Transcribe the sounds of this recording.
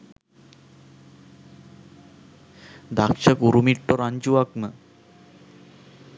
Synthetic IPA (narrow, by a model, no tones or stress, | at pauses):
d̪akʂəkuɾumiʈːoɾaɲd͡ʑuʋaknə